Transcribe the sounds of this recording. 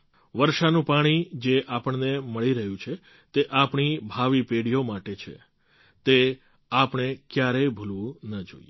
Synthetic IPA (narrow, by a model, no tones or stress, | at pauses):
ʋəɾʃanũpaɽ̃id͡ʒeʔapəɳneməɭiɾəɦjũt͡ʃʰe | t̪eʔapɳibʱaʋipeɽijomaʈet͡ʃʰḛ | t̪e | apɳ̃ekjaɾebʱulʋũnəd͡ʒo̰ie